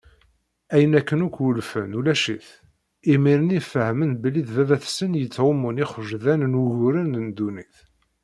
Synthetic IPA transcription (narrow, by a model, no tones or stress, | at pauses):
æjənækːənukʷːwʊlfənulæʃḭθ | imiɾənifəhmənbəlːiðvævæθsənjət͡sːʕʊmʊniχʒðænənwʝʊɾənənd̪uniθ